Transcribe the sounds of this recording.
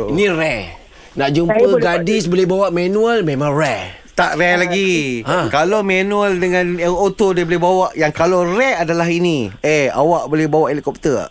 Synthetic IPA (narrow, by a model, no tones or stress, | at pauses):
inĩɾɛ | naʔd͡ʒumpəɡadisbolɛhbawaʔmanũəlmẽmãŋrɛ | t̪aʔrɛlaɡiãkalomanuəldəŋãnot̪odiəbolɪɦbawaʔjaŋkalorɛadalaɦiniea̰waʔbolɛhbawaʔilʔkɔp̚t̪ə